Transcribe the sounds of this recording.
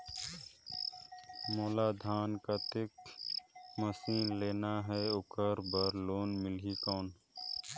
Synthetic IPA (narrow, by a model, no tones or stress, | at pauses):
moːlaːd̪ʱaːnkat̪ɪk | məsiːnleːnaɦɛʊkəɾbəɾloːnmɪlɦikɔːn